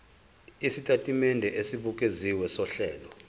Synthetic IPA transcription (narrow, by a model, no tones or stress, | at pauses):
isitʼatʼimɛndʱɛʔesiɓukʼeziwɛsɔɬɛːlɔ